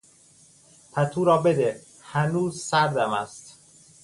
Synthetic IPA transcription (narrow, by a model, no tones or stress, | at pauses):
p̪ʰæt̪ʰuːɾɒːbe̞d̪e | hænuːzsæɾd̪æmæst̪